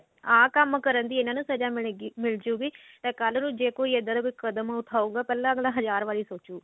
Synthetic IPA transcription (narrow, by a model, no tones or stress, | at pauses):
aːkəmkəɾənd̪iːɪnãːnũːsəd͡ʒaːmmɪld͡ʒuːɡiː | t̪ẽːkəlnũːd͡ʒeːkoːiːəd̪əːd̪akoːikəd̪əmʊt̪ʰaːuːɡaːpɛːlãːəɡlãːɦəzaːɾʋaːɾiːsoːt͡ʃuː